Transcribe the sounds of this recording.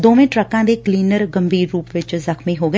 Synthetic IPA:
d̪oːʋẽːʈɾəkãːd̪eːkliːnəɾɡəmbiːɾːuːpʋɪt͡ʃzəkʰmĩːɦoːɡə

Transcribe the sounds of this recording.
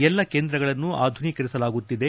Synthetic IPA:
ɛlːɐkeːnd̪ɾɐɡɐɭɐnːua̰ːd̪ʱunikɐɾisɐlaːɡut̪ːid̪e̞

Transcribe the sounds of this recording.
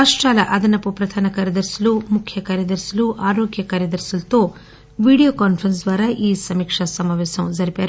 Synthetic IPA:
aːʂʈɾaːlɐʔɐd̪ɐnɐpupɾɐd̪ʱaːnɐkaːɾjɐd̪ɐɾsɐlumukʰjɐkaːɾjɐd̪ɐɾsɐluʔaːɾoːɡjɐkaːɾjɐd̪ɐɾsulɐt̪o̞ː | ʋiːɽijoːkaːnpʰɾɐns̬d̪ʋaːɾaːʔiːsɐmiːkʂɐsɐmaːʋɛːsɐmd͡ʒɐɾipaːɾu

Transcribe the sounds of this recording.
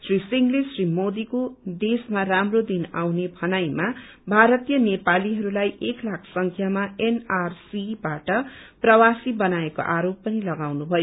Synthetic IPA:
srisiŋɡlesrimod̪ikod̪esmaramrod̪ina̰wnebʱʌnajma | bʱaɾʌt̪ijʌnepaliɦʌɾulajʔeklakʰsʌŋkʰjamaenarsibaʈʌprʌwasibʌnaeko̰ʔaɾopːʌnilʌɡawnubʱʌjo

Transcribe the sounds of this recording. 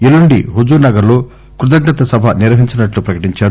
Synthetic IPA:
iluɳɖḭɦud͡ʒunɐɡɐɾlo̞ː | kɾud̪ɐɡnɐt̪ɐsɐbʱɐniɾʋɐɦiɲt͡ʃɐnɐʈlupɾɐkɐ̥ʈiɲt͡ʃaːɾu

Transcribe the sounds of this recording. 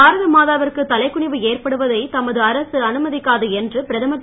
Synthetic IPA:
aːɾɐðɐmaːðaːʋɐrkɯt̪ːɐlɐɪkːʊɳɪʋɯeːrpɐɽɯʋɐðɐɪt̪ɐmɐðɯɐɾɐsɯɐnɯmɐðɪkːaːðɯɛndrɯpɪɾɐðɐmɐkː

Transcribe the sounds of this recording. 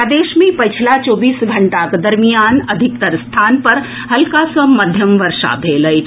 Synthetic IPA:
ad̪eːʃmẽpɐt͡ʃʰilat͡ʃoːbiːsɡʱɐɳʈakd̪ɐɾmijaːnəd̪ʱik̚t̪ɐɾst̪ʰaːnpɐɾ | hɐlkasəmɐd̪ʱjɐmʋɐɾʂa̰bʱeːləj

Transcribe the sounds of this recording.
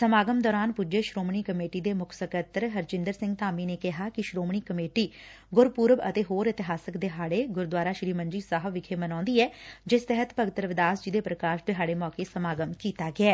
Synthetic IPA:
səmaːɡəmd̪ɔːɾaːnpud͡ʒeːʃɾoːmɳiːkəmeːʈiːd̪eːmʊkʰsəkət̪ɾɦəɾd͡ʒɪ̃nd̪əɾsɪ̃ŋɡt̪aːmiːneːkɪɦaːkɪʃɾoːmɳ̃iːkəmeːʈiː | ɡʊɾpuːɾʋə̰t̪eːɦoːɾɪt̪ɪɦaːsəkd̪eːɦaːɽeːɡʊɾd̪waːɾaːʃɾiːmənd͡ʒiːsaːɦəbʋɪkʰeːmənãːnd̪iːɛːd͡ʒɪst̪ɛɦət̪pəɡɪt̪əɾʋɪd̪aːsd͡ʒiːd̪eːpɾəkaːʃd̪eːɦaːɽeːmɔːkeːsəmaːɡəmkiːt̪aːɡɪɛː

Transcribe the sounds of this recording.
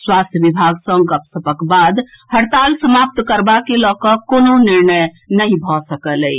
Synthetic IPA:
swast̪ʰjəbibʱaɡsə̃ŋɡəpsəpəkbad̪ | həɽt̪alsəmap̚t̪kəɾbakelɔkəkononiɾnəj | nəɦĩbʱɔsəkələj

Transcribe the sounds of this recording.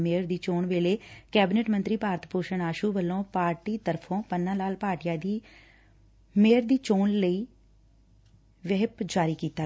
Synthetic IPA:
meːɾd̪iːt͡ʃoːɳʋeːleːkɛːbɪneʈmənt̪ɾiːpaːɾət̪ʰpoːʃəɳaːʃuːʋəlːõːpaːɾʈiːt̪əɾpʰõːpənːãːlaːlpaːɾʈɪjaːd̪iː | meːɾd̪iːt͡ʃoːnləiː | ʋɪɦɪpd͡ʒaːɾiːkiːt̪aː

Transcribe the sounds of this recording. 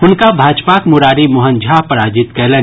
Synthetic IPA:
ʊnkabʱaːd͡ʒpaːkmʊɾaːɾimʊɦənd͡ʒʱapəɾaːd͡ʒɪt̪kɛːlə

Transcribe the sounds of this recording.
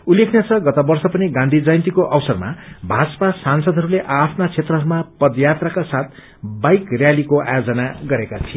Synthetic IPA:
ulːekʰnjat͡sʰʌɡʌt̪abʌrsʌpʌniɡãnd̪ʱid͡zʌjnt̪ikoʔʌbsʌrma̰bʱad͡zʌ̥pasansʌd̪ʱɦʌɾuleʔapʰnat͡sʰet̪rʌɦʌɾumapʌd̪jat̪rakasat̪̚ʰ | bajkrjalikoa̰jod͡zʌnaɡʌɾekat̪ʰie

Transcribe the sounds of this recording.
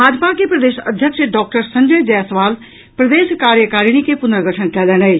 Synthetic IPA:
bʱaːd͡ʒpakepɾɐd̪eːʃəd̪ʱjəkʃəɖɔːk̚ʈəɾsɐ̃ɲd͡ʒəjd͡ʒɛːsʋaːl | pɾɐd̪eːʃkaːɾjəkaːɾiñikepʊnd̪ɾɡəʈʰənkɛːlɛːñəi

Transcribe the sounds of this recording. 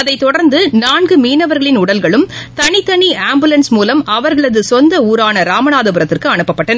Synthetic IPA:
ɐðɐɪt̪ːɔɽɐɾnd̪ɯnaːnɡɯmiːnɐʋɐɾɣɐɭɪnʊɽɐlɣɐɭɯmt̪ɐɳɪt̪ːɐɳiaːmbɯlɐnsmuːlɐmɐʋɐɾɣɐɭɐðɯsɔnd̪ɐuːɾaːnɐɾaːmɐnaːðɐbɯɾɐt̪ːɪrkɯɐɳɯpːɐpːɐʈːɐnɐ

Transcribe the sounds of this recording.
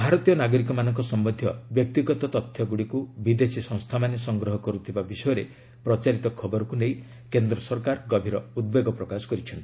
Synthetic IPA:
bʱaɾɔt̪ijɔnaɡɔɾik̬ɔmanɔŋkɔsɔmbɔd̪ʱjɔbjɔk̚t̪iɡɔt̪ɔt̪ɔt̪ʰːjɔɡuɽikubid̪esisɔ̃ŋ̃st̪ʰamanesɔŋɡɾɔɦɔkɔɾut̪ʰibabisɔjɔɾe | pɾɔt͡ʃaɾit̪ɔkʰɔbɔɾɔkunej | kend̪ɾɔsɔɾkaɾɡɔbʱiɾɔud̪̚beɡɔpɾɔkasɔ̥kɔɾit͡ʃʰɔnt̪i

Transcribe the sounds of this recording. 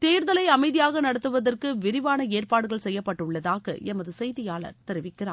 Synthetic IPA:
t̪eːɾðɐlɐɪɐmɐɪðɪjaːɣɐnɐɽɐt̪ːɯʋɐðɐrkɯʋɪɾɪʋaːnɐeːrpaːɽɯɣɐɭsɛjːɐpːɐʈːɯɭːɐðaːɣɐ̰ʔɛmɐðɯsɛjðɪjaːɭɐ̰ɾt̪ɛɾɯʋɪkːɪra̰ː

